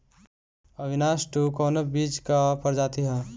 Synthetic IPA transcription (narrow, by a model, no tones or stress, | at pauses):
əbʱinasʈukoːnəbid͡ʒkapʰəɾd͡ʒaːt̪iɦɛ̃